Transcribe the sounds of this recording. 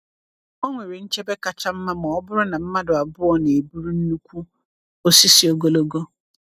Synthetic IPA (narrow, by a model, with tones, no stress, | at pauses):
o˦ŋʷɪ˨ɾi˨ɲ̩˦t͡ʃʰɛ˦bɛ˦ka˨t͡ʃʰa˦m̩˦mã˦mã˨ɔ˦bʊ˦ɾʊ˦nã˨m̩˦mã˦dʊ˨a˨bʊ˦ɔ˨nɪ̃˨e˨bu˦ɾu˦n̩˦nũ˦kʷʰu˦ | o˨si˦sɪ˨o˨ɡo˦˨lo˦ɡɔ˦